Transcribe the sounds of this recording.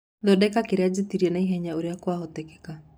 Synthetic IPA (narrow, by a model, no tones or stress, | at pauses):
ðɔdɛkakeɾead͡ʒetiɾiɛnaiɦɛɲaoɾjakwaɦɔtɛkɛ̥ka